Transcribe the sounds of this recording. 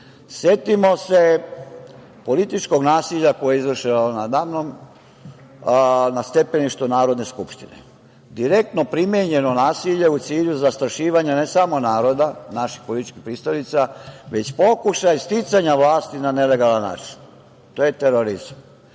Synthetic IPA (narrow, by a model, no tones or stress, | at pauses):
sje̞t̪imo̞se̞ | po̞lit̪it͡ʃko̞ɡnaːsiʎako̞jeizʋr̩ʃinonad̪aːʋnom | nast̪e̞pe̞niʃt̪unaːɾod̪ne̞skupʃt̪inḛ | d̪iɾe̞k̚t̪no̞pɾimjeɲe̞no̞naːsiʎe̞ut̪siːʎuzast̪ɾaʃiːʋaɲane̞samo̞naːɾo̞d̪anaʃi̥xpolit̪i̥t͡ʃkixpɾiːst̪alit̪saʋe̞t͡ɕpo̞kuʃajst̪it̪saɲaʋlaːst̪inane̞le̞ɡalanːa̰ːt͡ʃi̥n | t̪oːjet̪eɾoɾizam